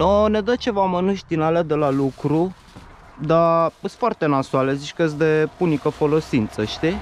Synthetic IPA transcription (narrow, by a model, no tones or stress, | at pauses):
noned̪ət͡ʃe̞vamənuʃd̪inaled̪elalukɾu | d̪aəst̪foart̪e̞nasualezit͡ʃʲkəjes̬d̪e̞punikəfo̞lo̞sint̪səʃt̪i